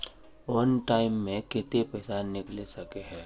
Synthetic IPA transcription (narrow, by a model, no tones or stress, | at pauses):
ʋɐnʈaːɪmːẽkɪt̪epɛːsanɪklesɐkeɦɛː